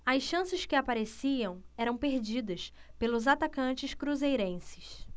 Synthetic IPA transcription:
ɐsʃɐ̃sɪskɪapaɾesiɐ̃w̃ɛɾɐ̃w̃peɾd͡ʒid̪ɐspelʊzat̪akɐ̃nt͡ʃɪʃkɾuzejɾẽsɪ̥ʃ

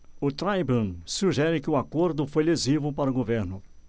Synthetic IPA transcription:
ʊt̪ɾajbũsuʒɛɾɪkɪʊakoɾd̪ʊfojlezivʊpaɾʊɡoveɾnʊ

